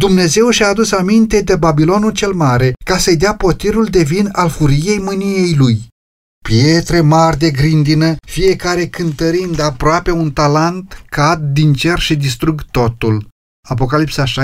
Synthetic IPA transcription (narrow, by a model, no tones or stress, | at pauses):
d̪umne̞ze̞wʃiaːd̪usamint̪e̞d̪e̞babilo̞nult͡ʃe̞lmaɾe̞kasəjd̪eapo̞t̪iɾuld̪e̞vinalfuɾije̞jmɨnije̞jluj | pje̞t̪ɾe̞marʲd̪e̞ɡɾind̪inəfije̞kaɾe̞kɨnt̪əɾind̪apɾoape̞unt̪alant̪kat̪̚d̪int͡ʃe̞rʃid̪ist̪ɾuɡt̪o̞t̪ul | ap̬o̞kalipsaʃa